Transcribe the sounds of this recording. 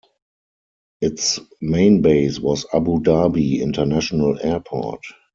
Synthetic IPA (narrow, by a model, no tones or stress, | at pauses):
ʔɪtsmẽɪ̃nbeɪswɔsa̰budabiɪ̰̃ntənæʃonəlɛɐpʰɔ̰t